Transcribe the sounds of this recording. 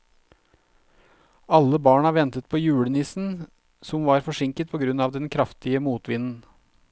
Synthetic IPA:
ɑlːəbɑːɳɑʋɛnt̪ət̪̚pʰoːjʉːɽənɪsn̩ | sɔmʋɑːɾfɔʂɪŋkət̪̚pʰɔɡɾʉnɑːʋd̪ɛnkʰɾɑft̪ɪəmuːt̪ʋɪnn̩

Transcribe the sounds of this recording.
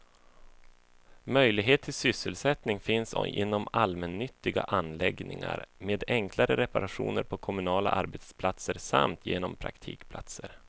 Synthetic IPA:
mœjlɪɡɦeːt̪ʰːɪlsʏsːəlsɛt̪nɪŋfɪnsɪ̰nːɔmalmɛnːʏt̪ːɪɡa̰ʔanːlɛɡnɪ̰ŋa̰ɾmeːd̪ɛŋklaɾəɾɛpaɾaɧṵːnəɾpʰɔkʰɔmɵnɑːla̰ʔa̰ɾbet̪spʰlat̪səɾsa̰mt̪ʰjeːnɔmpʰɾa̰kt̪ʰḭːkpʰla̰t̪səɾ

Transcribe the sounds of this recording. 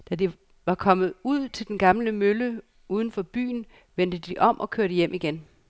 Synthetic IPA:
d̥æd̥i | ʋɑ̈kʰɒ̽mð̞̩ˠuð̞̰ˠt͡sʰe̝ld̥enɡ̥ɑ̈mləmølə | uːð̞ˠn̩fɒ̽b̥y̰ːn̩ | ʋen̰d̥əd̥iʔɒ̽m̰ʔɒ̽kʰøɐɾ̥əjem̰iɡ̥en

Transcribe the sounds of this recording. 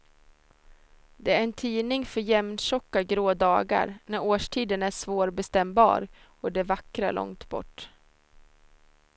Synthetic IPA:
d̪ɛæɾɛnt̪ʰiːnɪŋfœɾjɛmnɕɔkːaɡɾoːd̪ɑːɡa̰ɾnæɾoːʂʈʰiːd̪ənæʂvoːɾbɛst̪ɛmbɑ̰ːɾ | ɔd̪ɛvakɾa̰ɭʔɔ̰ŋt̪bɔ̰ʈː

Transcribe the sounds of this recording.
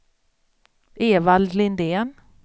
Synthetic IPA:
eːvald̪lɪnd̪eːn

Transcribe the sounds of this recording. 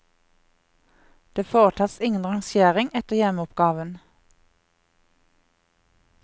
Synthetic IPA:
d̪̥eːfoːʁət̪ʰɑːsɪŋənʁɑŋsjeːʁɪŋɛt̪əʁjɛmʊpɡ̥ɑːʋən

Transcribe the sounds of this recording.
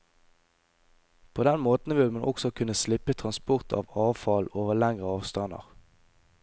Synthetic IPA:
pʰoːd̪ɛnmoːt̪n̩ʋɪlmɛnʔɔksɔkʰʉnəslɪpət̪ʰʁɑnspʊʁt̪ʰɑ̰ːʋɑːʋfɑloːʋəlæŋʁəɑːʋst̪ɑnə̰ʁ

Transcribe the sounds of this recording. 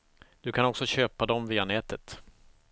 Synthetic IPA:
d̪̥ɵkʰanɔksɔɕøːpad̪ɔmviːanɛːt̪ət̪

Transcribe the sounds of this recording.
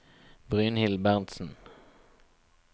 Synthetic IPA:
bʁʉːnhɪlbæʁnt̪sn̩

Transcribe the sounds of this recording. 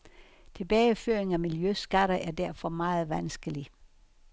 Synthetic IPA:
t͡sʰe̝b̥ɛːɪəføɐ̰eŋæmiljøsɡ̥æɾ̥ɐʔæɐd̥æɐfɒ̽mɑ̈ːð̩ˠʋænsɡ̥əli

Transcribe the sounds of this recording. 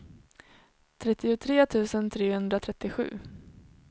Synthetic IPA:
t̪ʰɾɛt̪ːɪʊt̪ʰɾeːt̪ʰʉ̟ːsənt̪ʰɾeːhɵnd̪ɾat̪ʰɾɛt̪ːɪɧʉ̟̰ː

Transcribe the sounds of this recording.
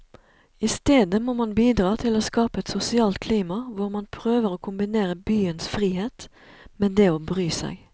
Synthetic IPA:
ɪst̪eːd̪əmoːmɑnbiːd̪ʁɑːt̪ʰɪloːskɑːpəɛt̪sʊsɪɑːlt̪̚kʰliːmɑʋʊʁmɑnpʰʁøːʋəʁoːkʰʊmbɪneːʁəbyːənsfʁiːheːt̪ | meːd̪eːoːbʁyːsæ̰ɪ

